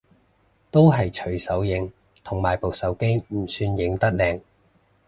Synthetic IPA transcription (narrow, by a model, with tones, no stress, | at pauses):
t̪o˥wɦɐ˨jt͡ʃʰɵ˨˩ɥsɐ˨˥wjɪ˨˧ŋ | t̪ʰʊ˨˩ŋmaː˨˩jpo˨˩wsɐ˨˥wke˥jm̩˨˩syː˧njɪ˨˥ŋt̪ɐ˥k̚lɛː˧ŋ